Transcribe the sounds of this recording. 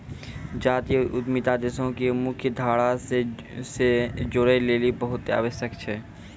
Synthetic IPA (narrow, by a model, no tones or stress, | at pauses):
d͡ʒaːt̪ijəʊd̪mit̪ad̪esõkemʊkʰjəd̪ʱaːɽase | sed͡ʒʊɽeleːlibɐɦʊt̪a̰ːʋəʃjəkt͡ʃʰɛː